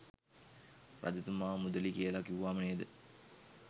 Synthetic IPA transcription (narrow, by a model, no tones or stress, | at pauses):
pɾa̰d̪it̪umaːmud̪əlikiəlakiuʋaːməned̪ə